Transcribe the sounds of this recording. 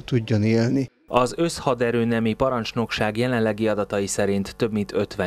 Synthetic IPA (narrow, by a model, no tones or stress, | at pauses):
t̪uɟːoneːlni | ɒzø̞shɒd̪ɛɾøːnɛmipɒɾɒnt͡ʃno̞kʃaːɡjɛlɛnlɛɡiɒd̪ɒt̪ɒjisɛɾint̪ːø̞bmint̪ʰø̞t̪ʋɛ